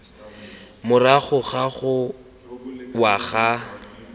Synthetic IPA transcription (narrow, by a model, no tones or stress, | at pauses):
mʊraχʊχaχʊ | waɣa